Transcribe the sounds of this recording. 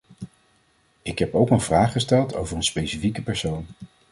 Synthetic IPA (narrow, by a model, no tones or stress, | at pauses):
ɪkɦɛpowkənvraːχːəstɛlˠto̰wvərənspejsifikəpɛɹsown